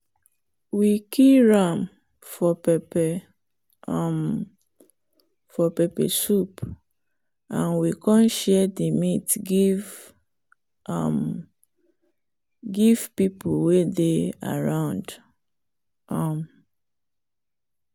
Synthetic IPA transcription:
wikʰiɹam | fɔpɛpɛ | m | fɔpɛpɛ̰sup | ãnwikɔ̃nʃɛdimitɡiv | a̰m | ɡiv̥pipuwedea̰ɹãʊ̃nd | am

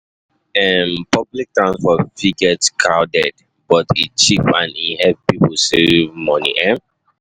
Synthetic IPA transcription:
ɛmpɔblik̚tɹãnsfɔviɡɛtkʰɹaʊdɛd | bɔtit͡ʃipãnihɛvpipsevmɔnḭʔɛ̃m

